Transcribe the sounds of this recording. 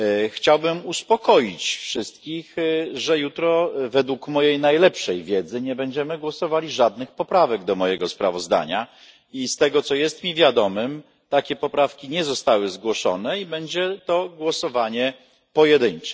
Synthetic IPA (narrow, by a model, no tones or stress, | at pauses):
xt͡ɕawbɘmuspɔkɔjit͡ɕfʂɘst̪kʲixʐɛjut̪ɾɔvɛd̪wukmɔjejnajlɛpʂɛjvʲjɛd̪zɘɲɛbɛɲd͡ʑɛmɘɡwɔsɔvalʲiʐad̪̚nɘxpɔpɾavɛɡd̪ɔmɔjɛɡɔspɾa̰vɔzd̪a̰ɲa | ist̪ɛɡɔt̪sɔjɛst̪mʲivʲjad̪ɔmɘm | t̪akʲɛpɔpɾafkʲiɲɛzɔst̪awɘzɡwɔʂɔ̰nɛibɛɲd͡ʑɛt̪ɔɡwɔsɔvaɲɛ | pɔjɛd̪ɘɲt͡ʂɛ